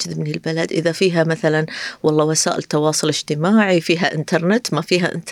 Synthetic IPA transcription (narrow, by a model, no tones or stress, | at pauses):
ðɪbnilbɪlad̪ʔɪðafiːɦamaθalanwʔɑlˤːɑːwasaːʔɪ̰lɪt̪ːɑwɑːsˤʊlɪd͡ʒ̥t̪ɪmaːʕifiːɦaʔɪnt̪ɑɾˤnɪt̪mafiːɦa̰ʔɪ̰nt̪